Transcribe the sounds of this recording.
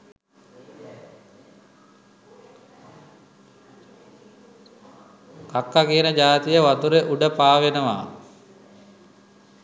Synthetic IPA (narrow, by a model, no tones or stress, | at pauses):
kakːakiənəd͡ʒaːt̪ijəʋat̪uɾeʔuɖəpaːʋenəʋa̰ː